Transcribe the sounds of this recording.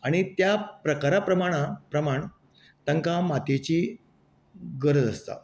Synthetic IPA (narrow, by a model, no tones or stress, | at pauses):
aɽ̃it̪japɾəkaɾapɾəmaɽ̃apɾəmaɳ | t̪əŋkamat̪et͡ɕiː | ɡəɾəd͡zəst̪a̰